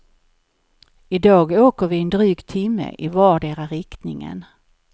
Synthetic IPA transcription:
ɪd̪ɑːɡoːkəɾvɪɛnd̪ɾyːɡt̪ʰɪmːə̰ʔɪvɑːɖeːɾaɾɪkt̪nɪ̰ŋə̰n

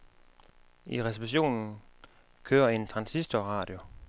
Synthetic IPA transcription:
iʁɛs̬iʋiɕo̝̰ːnn̩ | kʰøːɐe̝nt͡sʰʁɑ̈nsisd̥ɒʁɑ̈ːd̥jo̝

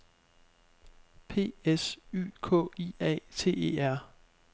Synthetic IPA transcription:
pʰe̝̰ːesy̰ːkʰɔ̰̽ːiɛ̰t͡sʰe̝̰ːe̝̰ːæɐ̰

